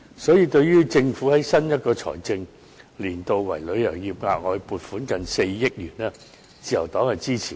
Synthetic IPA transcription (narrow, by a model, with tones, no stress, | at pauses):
sɔː˨˥jiː˧t̪ɵ˧ɥɥyː˥t͡sɪ˧ŋfuː˨˥hɐ˨˦jsɐ˥njɐ˥t̚kɔː˧t͡sʰɔ̰ː˨˩jt͡sɪ˧ŋ | liː˨˩nt̪o˨˧wwɐ̰˨˩jlɵ˨˧ɥjɐ˨˩wjiː˨˧p̚ŋaː˧t̚ŋɔː˧puː˨t̚fuː˨˥nkɐ˨nse˧jːɪ˥k̚jyː˨˩nɛː˥ | t͡siː˨˧jɐ˨˩wt̪ɔː˨˥hɐ˨jt͡siː˥t͡sʰi˨˩